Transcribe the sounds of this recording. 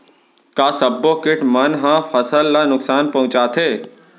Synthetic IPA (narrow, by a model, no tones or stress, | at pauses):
kaːsəbːokɪʈʰmɐnɦãfɐsəlːanʊksaːnpɐ̃ɦʊ̃t͡ʃaːt̪ʰeː